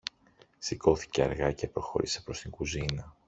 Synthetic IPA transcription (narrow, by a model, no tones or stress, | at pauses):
siko̞θi̥ceɐ̰ɾɣɐce̞pɾo̞xo̞̰ɾise̞̥pɾo̞st̪iŋɡuzinɐ